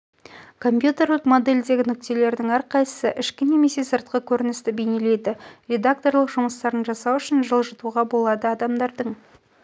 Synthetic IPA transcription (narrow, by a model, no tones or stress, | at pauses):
kʰo̞mpʲjut̪e̞rət̪mo̞d̪e̞lʲd̪e̞ɡʲɪnʏk̚t̪e̞le̞ɾd̪ɪŋæɾqʰɑjsə̥səʔɪʃkʲɪne̞me̞se̞səɾt̪̚qəkʲʰɵɾɪnɪst̪ɪbejne̞le̞jd̪ɪɾʲe̞d̪ak̚t̪o̞rlˠəqʒʊməst̪ɑɾənʒɑsɑwʏʃɪnʒəlˠʒət̪uʁɑbo̞lˠɑd̪əɑd̪ɑmd̪ɑɾd̪əɴ